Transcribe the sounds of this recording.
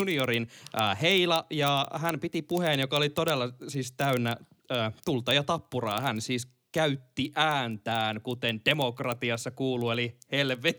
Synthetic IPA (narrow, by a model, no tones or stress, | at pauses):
unioɾinʔːheilɑjɑhæmpit̪ipuheːnjokɑolit̪odelːɑsiːst̪æynːæ | əːt̪ult̪ɑjɑt̪ɑpːurɑ̰ːhænsiːs | kæyt̪ːiʔæːnt̪æːnkut̪end̥emokrɑt̪iɑsːɑkuːluelihelːeʋʋe